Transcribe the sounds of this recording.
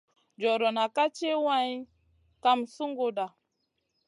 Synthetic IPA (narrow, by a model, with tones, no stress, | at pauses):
d͡ʒɔ˨ɾɔ˨na˨ka˦t͡ʃe˦wa˦ɲ˦ | ka˦msu˦ŋɡo˦ɗa˨